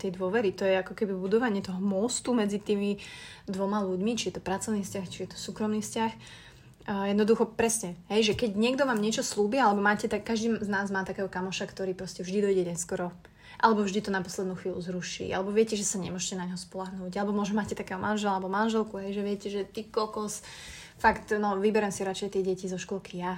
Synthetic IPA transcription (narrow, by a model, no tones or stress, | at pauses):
t̪ɛjd̪ʋʊɔʋɛɾit̪ɔjɛakɔkɛbibud̪ɔʋaɲɪɛt̪ɔɦɔmɔst̪umɛd͡zit̪iːmid̪ʋɔmaluɟmit͡ʃijɛt̪ɔpɾat͡sɔʊniːfscaxt͡ʃijɛt̪ɔ̥suːkɾɔmniːfscax | jɛd̪nɔd̪uxɔpɾɛsɲɛɦɛjʒɛkɛɟɲɪɛɡd̪ɔʋaːmɲɪɛt͡ʃɔsluːbialɛbɔmaːcɛt̪akːaʒd̪iːznaːzmaːt̪akɛːɦɔkamɔʃakt̪ɔɾiːpɾɔscɛvʒd̪id̪ɔjɟɛɲɛskɔɾɔ | ʔa̰lɛbɔvʒd̪it̪ɔnapɔ̥slɛd̪nuːxʋiːluzɾuʃḭːʔa̰lɛbɔʋɪɛcɛʒɛsaɲɛ̰mʊɔʒɛcɛnaɲɦɔspɔlaɦnuːɟalɛbɔmʊɔʒɛmacɛt̪akɛːɦɔmʔanʒɛlalɛbɔmanʒɛlkuɦɛjʒɛʋɪɛcɛʒɛt̪iːkɔlkɔs | fakt̪nɔʋibɛɾɛmsiɾat͡ʃɛjt̪ɪɛɟɛcizɔʃkɔlkʰija